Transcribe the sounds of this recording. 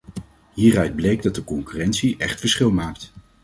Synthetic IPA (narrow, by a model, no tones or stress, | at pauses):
ɦiːrœɥd̚blejɡdɑt̚dəkɔŋkyːrɛntsiʔɛχtfəɹsχɪlˠmaːk̚t